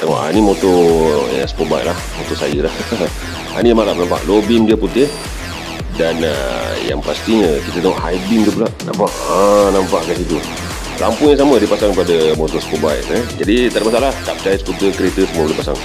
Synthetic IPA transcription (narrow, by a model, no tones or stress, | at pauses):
t̪əŋɔ̰ʔa̰nimot̪ɔa̰spobaj̰ʔlahmot̪ɔsajəlah | a̰nijamalamnampa̰ʔlobiŋdiəput̪ɪh | danə̰ja̰ŋpast̪iəkit̪ət̪əŋɔʔɦajdiŋd̪ipulaʔna̰mpaʔənampaʔkasit̪u | la̰mpʊŋjaŋsamədipasaŋkəpadəmot̪ɔsə̥pobajʔəd͡ʒadit̪adaʔmasalahkap̚t͡ʃajsput̪əkəɾet̪əsəmuəbəlipasa̰ŋ